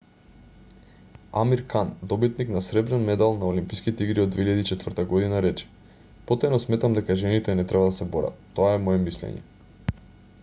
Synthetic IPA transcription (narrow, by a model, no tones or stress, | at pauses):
a̰miɾkand̪ɔbit̪niknasɾɛbɾɛnmɛd̪alˠnaolimpiskit̪ɛiɡɾiod̪veiʎad̪it͡ʃɛt̪vr̩t̪aɡɔd̪inaɾɛt͡ʃɛ̥ | pot̪anɔsmɛt̪amd̪ɛkaʒɛnit̪ɛnɛt̪ɾɛbad̪asɛboɾa̰t̪ːɔaɛmɔɛmislɛ̰ɲɛ̰